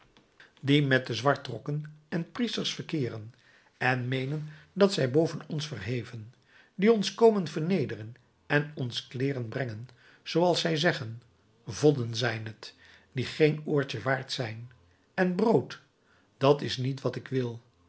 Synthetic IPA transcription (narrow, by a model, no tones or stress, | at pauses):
dimɛt̚dəzʋɑɹtrɔkənɛnpristəɹsfərkɪːrən | ɛnmejnəndɑtsɛjbowvənɔnsfərɦejvən | diɔnskowmənvəɹnejdərən | ɛnɔnsklɪːrənbrɛŋən | z̥owɑlˠsɛjzɛχən | vɔdənzɛjnɦət | d̥iχejnʊːɹt͡ʃəʋaːɹtsɛjn | ɛnbrowt | d̥ɑtɪsnitʋɑtɪkʋɪlˠ